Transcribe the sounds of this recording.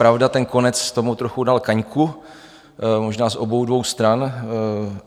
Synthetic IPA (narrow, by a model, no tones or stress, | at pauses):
pɾavdat̪ɛnko̞nɛt͡st̪o̞mut̪ɾoxudalkaɲku | moʒnaːzʔo̞bo̞wdvo̞wst̪ɾan